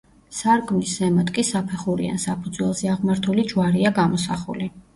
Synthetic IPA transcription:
saɾkʼmisːɛmat̪kʼisapʰɛχuɾḭa̰nsapʰud̪zwɛlˠzɛaʁmaɾt̪ʰulid͡ʒwaɾiaɡamɔsaχṵli

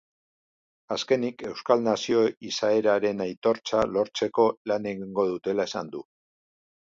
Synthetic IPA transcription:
aske̞nike̞wskalnasio̞isae̞ɾaɾe̞najt̪o̞ɾt͡salo̞ɾt͡se̞ko̞lane̞ɣiŋɡo̞ðut̪e̞lae̞sand̪u

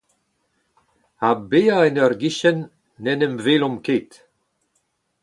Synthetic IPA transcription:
abeaɛnœɾɡiʃɛnː | ɛnəmvelɔmkeːt̪

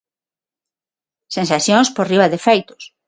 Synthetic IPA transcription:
sẽnsaθjõŋsporiβaðefejt̪ʊ̥s

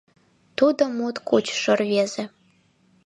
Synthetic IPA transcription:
t̪ud̪omut̪kut͡ɕʂɤ̆rvezĕ

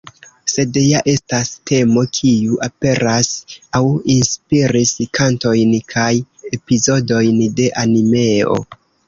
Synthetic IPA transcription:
se̞djaʔe̞stastʰe̞mo̞kʰiuʔape̞ɾʔasawinspiɾiskʰanto̞jnkʰaj | e̞pizo̞do̞jnde̞ʔanime̞o̞̰

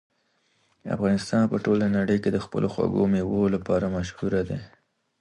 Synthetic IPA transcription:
a̰fɣɑnɪst̪ɑnpəʈolanaɽəjked̪əxpə̰lʔoxwa̰ɡo̰mewolapɑɾamaʃhuɾad̪e

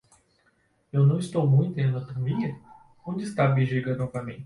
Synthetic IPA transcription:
ewnɐ̃w̃ɪst̪owmũj̃t̪ʊẽd̪ɐt̪omiɲɐ | õd͡ʒɪst̪abiʒiɡɐnɔvɐmẽɪ̥

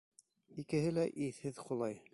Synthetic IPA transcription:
ikɘ̆hɘlæʔiθhɘðχulˠɑj

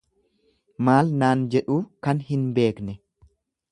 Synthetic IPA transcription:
maːlnaːnd͡ʒɛᶑuːkɐnhɪnbe̞ːknɛ

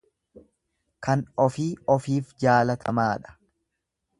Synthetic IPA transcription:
kɐnɔfiːɔfiːfd͡ʒaːlɐt̪ʰɐmaːᶑɐ̥

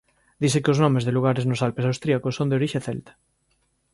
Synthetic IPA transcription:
d̪isekeoznɔ̃mezðeluɣ̞aɾeznosalpesawst̪ɾiakosːond̪eoɾiʃeθɛlt̪ḁ

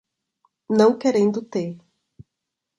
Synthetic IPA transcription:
nɐ̃w̃keɾẽnd̪ʊt̪e

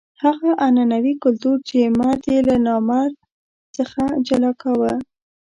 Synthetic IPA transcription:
haɣaʔananawikʊlt̪uɾt͡ʃemaɾd̪elanɑmaɾ | t͡səxad͡ʒalɑkawə

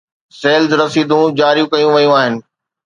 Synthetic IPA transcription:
seːlzɾɐsiːd̪ʱũd͡ʑaːɾijũkɐjũʋɐjũaːɦɪnɪ̆

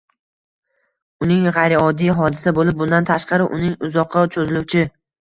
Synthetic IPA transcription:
ʊnɪŋʁɑjɾɪɒd̪ijɦɒd̪ɪsabolɪp̚bʊnd̪ant̪ʰaʃqɑɾɪʔʊ̰nɪŋʊzɒqʰːɑt͡ʃʰɵzɪlʊwt͡ʃʰɪ

